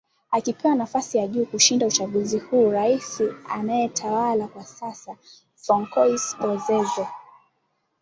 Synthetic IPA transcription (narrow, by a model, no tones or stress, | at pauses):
akipɛwanafasijaʄuːkuʃindaut͡ʃaɠuzihuːɾaisianajɛtʰawalakwasasa | fɔŋkɔiskɔzɛzɔ